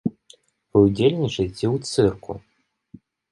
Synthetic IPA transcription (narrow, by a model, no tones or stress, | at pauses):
vɨud͡zʲelʲnʲit͡ʂɐjt͡sʲiwt̪sɨrkʰṵ